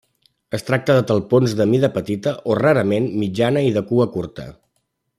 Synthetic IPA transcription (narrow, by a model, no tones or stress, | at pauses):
əst̪ɾak̚t̪əðət̪əlˠponzðəmiðəpət̪it̪əʔoraɾəmenmid͡ʒanəiðəkuəkuɾt̪ə̰